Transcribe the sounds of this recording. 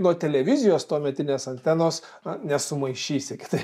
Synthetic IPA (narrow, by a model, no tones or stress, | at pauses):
nuɔt̪ʲɛlʲɛʋʲɪzʲɪjoːst̪oːmʲɛt̪ʲɪnʲeːsɐnʲt̪ʲɛnoːs | nʲɛsʊmɐɪʃʲiːsʲɪkʲɪ̥t̪ɐɪp